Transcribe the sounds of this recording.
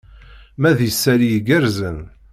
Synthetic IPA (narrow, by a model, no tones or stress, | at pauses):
mæðjəsːæɾijɡæɾzən